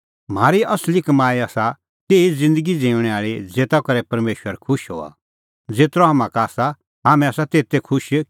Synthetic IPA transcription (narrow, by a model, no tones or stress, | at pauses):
m̤aːɾiɐslɪkmaːiaːsa | t̪eːid͡zɪ̃nd̪əɡid͡zẽːʊ̃ɽ̃ɛaːɭid͡zeːt̪akɐɾɛpɐɾmeːʃwəɾkʰʊʃɦo̰ːa̰ | d͡zeːt̪ɾɔɦamãkaːsa | ɦaːmɛ̃asat̪eːt̪ːekʰʊʃ